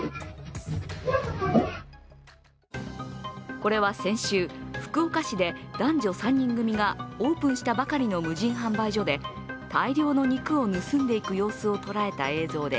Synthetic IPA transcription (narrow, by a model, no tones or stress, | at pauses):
ko̞ɾe̞β̞asẽ̞ɰ̃ɕɨːɸɯ̟̥kɯ̟o̞kaɕid̪e̞d̪̥ãɲ̟d͡ʑo̞sãɲ̟ːĩŋɡɯ̟mʲiɡao̞ːpɯ̃ɰ̃ɕi̥t̪abakaɾʲino̞mɯ̟ʑĩɰ̃ɦãmbaiʑo̞d̪e̞ | t̪aiɾʲjo̞ːno̞ɲ̟ikɯ̟o̞nɯ̟sɨ̃nd̪e̞ikɯ̟jo̞ːsɨo̞t̪o̞ɾae̞t̪a̰e̞ːzo̞ːd̪e̞